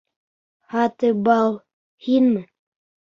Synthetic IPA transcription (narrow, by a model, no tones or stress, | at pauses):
hɑt̪ɤbɑlˠ | hinmɘ